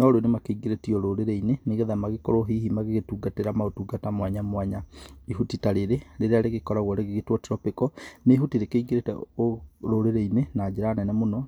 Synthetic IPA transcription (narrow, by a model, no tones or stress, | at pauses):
nɔɾonemakeiɡeɾetiɔɾoɾeɾɛineneɣɛðamaɣekɔɾoɦihimaɣeɣetuːɡateɾamaotuɡatamwaɲamwaɲaiɦutitaɾeɾeɾeɾeaɾeɣekɔɾaɣɔɾeɣeɣetwɔteɾɔpekɔneɦutiɾekeiŋɡeɾetɛ̰oɾoɾeɾɛinenad͡ʑeɾaːnɛnɛmonɔ